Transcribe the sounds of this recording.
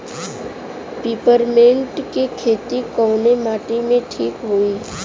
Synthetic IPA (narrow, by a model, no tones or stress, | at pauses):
piːpəɾmẽːɳʈkikʰeːt̪ikɔːnemaːʈimẽʈʰiːkɦuiː